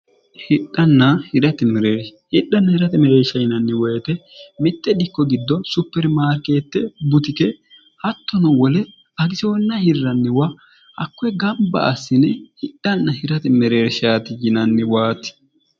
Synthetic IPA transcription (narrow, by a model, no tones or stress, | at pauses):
hɪɗːɐnːɐhɪɾɐt̪ɛmɛɾeːɾhɪɗːɐnːɐhɪɾɐt̪ɛmɛɾeːʃɐjɪnɐnːɪwɔjt̪ɛmɪt̪ːɛd̪ɪkːɔɡɪd̪ːɔsʊpːɛɾmaːɾkeːt̪ːɛbʊt̪ɪkɛ | hɐt̪ːɔnɔwɔlɛ | ɐɡɪsoɔnːɐhɪrːɐnːɪwɐ | hɐkːʊɛɡɐmbɐ̰ʔɐsːɪnɛhɪɗːɐnːɐhɪɾɐt̪ɛmɛɾe̞ːɾʃaːt̪ɪjɪnɐnːɪwaːt̪ːɪ̥